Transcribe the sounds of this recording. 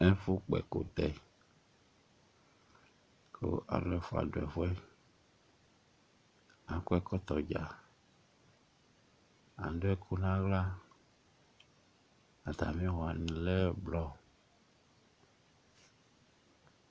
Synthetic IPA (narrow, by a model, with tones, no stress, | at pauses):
ɛ˦fu˦k͡pɛ̰˨ko̰˨t̪ɛ˨ | ko̰˦ʔa̰˨llɛ˦fo˦a̰˨do˨ɛ̰˨vɔ˦ɛ˦ | ã˨˦ku˦ɛ˦kɔ˦t̪ɔ˨d͡ʒa̰˨ | a̰˨˦do˦ɛ˦kʰu˦nã˦ɣla˦ | a˨t̪a̰˨mĩ˦wɔ˨a˨nĩ˨lɛ˦blɔ˦